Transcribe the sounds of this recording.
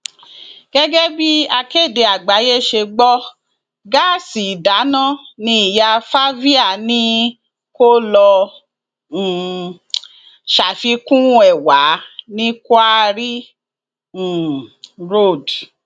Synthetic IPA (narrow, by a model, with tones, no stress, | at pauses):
ɡ̥ɛ˦ɡɛ˦bi˦a˧ke˦˨de˨˧a˨ɡ͡ba˨˦je˦˨ʃe˧ɡ͡bɔ˦ | ɡa˦˨si˨da˨˦nã˦˨nĩ˧˦i˦˨ja˧fa˦vi˦a˦˨nĩ˦ | ko˦lɔ˧˨ | ʃa˨fi˧kũ˦ɛ˨wa˨˦nĩ˦ka˦ɾi˦˨ | ɾo˦˨d